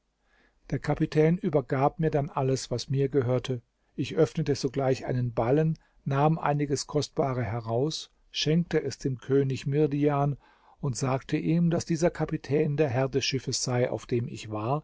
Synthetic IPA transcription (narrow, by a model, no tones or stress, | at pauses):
d̥eːɐkʰapitʰɛːnʔyːbɐɡaːp̚miːɐdanʔaləsv̥asmiːɐɡəɦøːɐtʰə | ʔɪçʔœfnətəzoːɡlaɪçʔa̰ɪnənbalənː | aːmʔa̰ɪnɪɡəskʰɔstb̥aːʁəɦɛʁaʊs | ʃɛŋk̚təʔɛsd̥eːmkʰøːnɪçmɪɐdiaːn | ʊntz̥aːktʰəʔiːmdasd̥iːzɐkʰapitʰɛːndeːɐɦɛɐdɛsʃɪfəsz̥aɪʔa̰ʊfd̥eːmɪ̰çv̥aːɐ